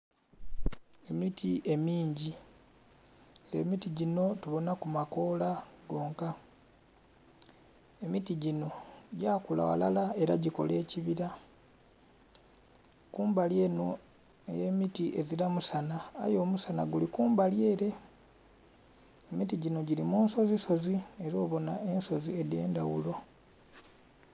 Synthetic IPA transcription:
e̞mitiʔe̞miːɲɟi | lḛmitiɟino̞tuβo̞nakumako̞laɡo̞ːŋka | emitiɟino̞ɟaːkula̰wa̰lalae̞ɾa̰ɟiko̞̰leːciβiɾa | kuːmbaljeno | jemitieziɾamusana̰ːjo̞ːmusana̰ɡulikuːmbalje̞ːɾe̞ | emitiɟino̞ɟilimuːnso̞ziso̞zie̞ɾo̞ːβo̞naʔe̞nso̞zie̞de̞ːndawṵlo̞

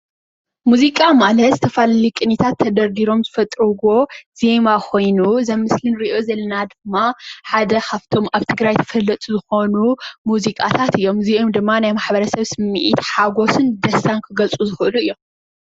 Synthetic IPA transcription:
muzikʼamalɐt̪ɨt̪ʰɐfallikʼɨnːit̪ʰat̪ʰːɐd̪ɐɾd̪iɾo̞mzɨfɐt̪ʼɾuɡo̞z̥e̞makʰo̞jnuzɐmːɨslɨnɾɨio̞zɐlːɐnad̪ɨmːaħad̪ɐkʰaft̪ʰo̞maβt̪ʰɨɡɾajt̪ʰɐ̥fɐlːɐt̪ʼuzɨxo̞numuzikʼat̪ʰat̪ɨjːo̞mziomd̪ɨmːanajmaħbɐɾɐsɐβsɨmːḭʔḭt̪ħaɡo̞sɨnd̪ɐsankʰɨɡɐlt͡sʼuzɨxɨʔɨluɨjːo̞m

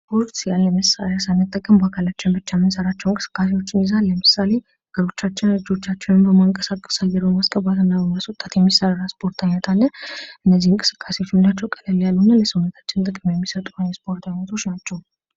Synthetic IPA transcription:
spʰo̞ɾt̪jalːəməsa̰lasanːɨt̪ʼːəkʼːəmbakʰalat͡ʃːɪnbɨt͡ʃːamɨnsəɾat͡ʃːɛwnkʼɨ̥sɨ̥kʼːas̬e̞wo̞t͡ʃːɪnɪzalːəmɨsale̞ | aɡ̥əɾo̞t͡ʃːat͡ʃːɪnəd͡ʒo̞t͡ʃːat͡ʃːɛnɨmbəmaŋkʼəsakʼkʼə̥sajːɛɾbəmaskʼəβat̪ɨnːabəmaswʊt̪ʼat̪jɛmːisːəɾaɾaspʰo̞ɾt̪ʰajnət̪ʰalːəʔɨnːəzːihɨŋkʼɨ̥sɨ̥kʼːase̞wo̞t͡ʃːɪnlat͡ʃːɛwkʼələljalːunːaləsəwunət̪ʰḁt͡ʃːɪnt̪ʼɨkʼmjɛmːisət̪ʼuajɛspo̞ɾt̪ʰajnət̪ʰo̞t͡ʃnat͡ʃːɛw

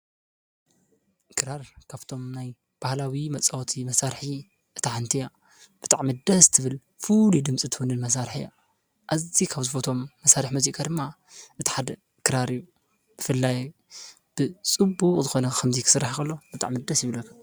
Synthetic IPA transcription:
kʰɨɾaɾkʰaβt̪ʰo̞mnaj | b̥ahlawimɐt͡sʼawt̪ʰimɐsaɾħi | ʔɨt̪ʰaʕant̪ʰija | b̥ɨt̪ʼaʕmid̪ɐst̪ʰɨβɨl | fulud̪ɨmt͡sʼit̪ʰɨwunɨnmɐs̬aɾħija̰ | ʔazikʰaβzɨfot̪ʰo̞mːɐsaɾɨħmuzikʰʼad̪ɨmːa | ʔɨt̪ʰi̥ħad̪ɐ | kʰɨɾaɾijːu | b̥ɨfɨlːaj | b̥ɨt͡sʼɨbukʼzɨxo̞nɐkʰɐmzikʰɨ̥sɨɾːaħkʰɐlːo̞b̥ɨt̪ʼa̰ʕmid̪ɐsjɪβlɐkʰːa

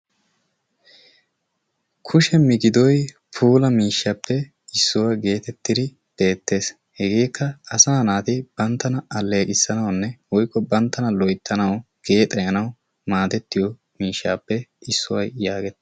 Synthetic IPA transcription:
kʰʊʃɛmɪɡɪd̪ɔj | pʰuːlɐmiːʃːɐpːɛ | ɪsːʊwaɡe̞ːt̪ɛt̪ːɪd̪ɪ | b̥e̞ːt̪ːe̞ːs | hɛɡeːkːɐɐsaːnaːt̪ɪb̥ɐnt̪ːɐnɐɐlːe̞ːkʼɪsːɐnɐwnːɛwɔjkːɔbɐnt̪ːɐnɐlɔjt̪ːɐnɐw | ɡ̥e̞ːt̪ʼːɐjɐnɐw | maːd̪ɛt̪ːɪjɔ | miːʃːa̰ːpːɛɪsːʊwɐjjaːɡɛt̪ː

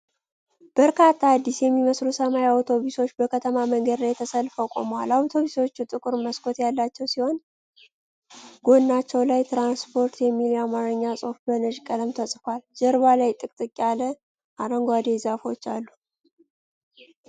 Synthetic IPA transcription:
b̥əɾkʰat̪ʰːaad̪ːisjɛmːiməslusəmajawt̪ʰo̞βuso̞t͡ʃːbəkʰət̪ʰəmaməŋɡəd̪lajɛt̪ʰəsəlfəwkʼo̰mwalawt̪ʰo̞βuso̞t͡ʃːut̪ʼɨkʼɨɾməskʰʼo̞t̪jalːat͡ʃːɛwsiho̞n | ɡo̞nːat͡ʃːɛwlajt̪ʰɾanspʰo̞ɾt̪ʰjɛmːilamaɾɨɲːasʼo̞fbənɨʒkʼələmt̪ʰəsʼfald͡ʒəɾβalajt̪ʼɨkʼt̪ʼɨkʼːalə | ʔaɾəŋɡʷad̪ezafo̞t͡ʃːalːu

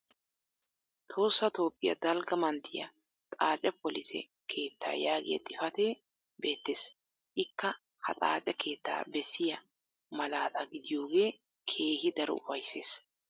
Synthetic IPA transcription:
t̪ʰo̞ːsːɐt̪o̞ːpʼːɪjɐ̰d̪ɐlɡɐmɐnt̪ʰːɪjɐ̰ | t̪ʼaːt͡ʃʼɛpɔlɪsɛ̰ | kʰe̞ːt̪ːa̰ːjaːɡɪjɐ̰t̪ʼɪfɐt̪eː | be̞ːt̪ːeːs | ʔɪkːɐ | hɐ̰t̪ʼa̰ːt͡ʃʼɛkʰe̞ːt̪ːa̰ːbɛsːɪjɐ | mɐlaːt̪ʰɐɡɪd̪ɪjo̞ːɡe̞ː | kʰe̞ːhɪd̪ɐɾɔ̰ʊfɐjseːs

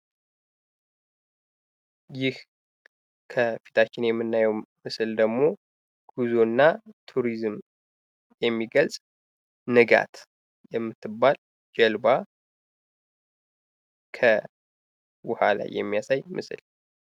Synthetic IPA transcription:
jɪh | kʰəfi̥t̪ʰat͡ʃːɪnjɛmːɨnːajɛwmɨsɨld̪əɡmo̞ | ɡ̥uzonːat̪ʰuɾizm | jɛmːiɡəlsʼ | nɨɡa̰t̪ | jɛmːɨt̪ʰːɨbːal | d͡ʒɛlba | kʰə | wʊhala̰jːɛ̰mːijasajmʔɨ̰sɨ̰l

